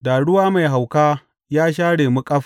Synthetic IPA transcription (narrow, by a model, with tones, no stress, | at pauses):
da˨ɽʊ˦waː˦ma˨jɦa˨wkaː˦ | jaː˦ʃaː˦ɽeː˨mu˦kʼɐ˦ɸ